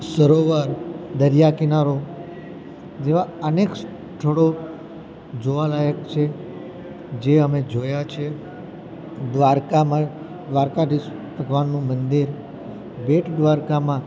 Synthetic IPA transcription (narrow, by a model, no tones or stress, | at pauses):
səɾoʋaɾd̪əɾjakɪnaɾo | d͡ʒeʋaəneks | ʈ̪ʰəɽo | d͡ʒoʋalajəkt͡ʃʰe | d͡ʒeəmed͡ʒojat͡ʃʰe | d̪ʋaɾkamã | d̪ʋaɾkad̪iʃbʱəɡʋanːũmənd̪iɾ | beʈʰd̪ʋaɾkamã